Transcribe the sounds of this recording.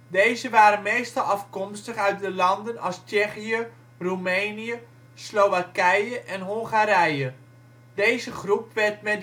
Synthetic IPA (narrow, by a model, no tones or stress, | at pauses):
dejzəʋaːɾənmejstɑlˠɑfkɔmstəχœɥt̚dəlɑndənɑlˠst͡ʃɛχiə | rumejnijə | slowʋakɛjəʔɛnɦoŋχaːɾɛjə | dejzəχrupʋɛrtmɛ